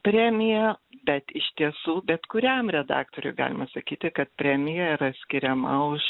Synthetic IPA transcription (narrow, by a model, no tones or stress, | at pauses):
pʲɾʲæːmʲɪjɛbʲɛt̪ɪʃt̪ʲiɛsuːbʲɛt̪kʊɾʲɛmɾʲɛd̪ɑ̰ːkt̪oːɾʲʊ̰ɪɡɑ̰ːlʲɪmɐsɐkʲiːt̪ʲɪkɐt̪̚pʲɾʲæːmʲɪjɛiɾɐsʲkʲɪɾʲɛmɐʊʃ